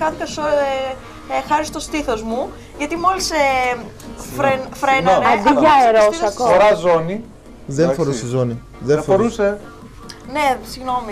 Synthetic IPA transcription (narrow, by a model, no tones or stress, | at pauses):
kɐθikɐso | xɐɾist̪ost̪iθozmu | ʝɐt̪imo̞lise | fɾenfɾenoneɐd̪iʝɐeɾosɐkoɾɐzoni | ðenfoɾusizoni | ðeɐfoɾuse | nesiɣno̞mi